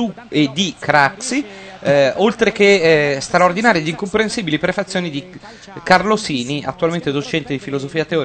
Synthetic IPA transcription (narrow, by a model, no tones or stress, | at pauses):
ued̪ːikɾaksi | olt̪ɾekest̪ɾaord̪inaːɾjad̪iŋkompɾensiːbilipɾefat̪sːjoːnid̪i | karlosiːnia̰t̪ːualment̪ed̪ot͡ʃɛnt̪ed̪ifilozofiːat̪eɔː